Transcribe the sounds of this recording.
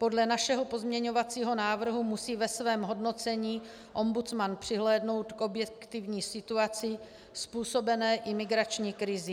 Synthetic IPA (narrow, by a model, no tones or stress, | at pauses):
po̞dlɛnaʃɛɦo̞po̞zmɲɛɲo̞vat͡siːɦo̞naːvr̩ɦumusiːvɛsvɛːmɦo̞dno̞t͡sɛɲiː | ʔo̞mbut͡smanpr̝̥ɪɦlɛːdno̞wt̪kʔo̞bjɛkkt̪ɪvɲiːsɪt̪uat͡sɪ | spuːso̞bɛnɛːʔɪmɪɡɾat͡ʃɲiːkɾɪzɪ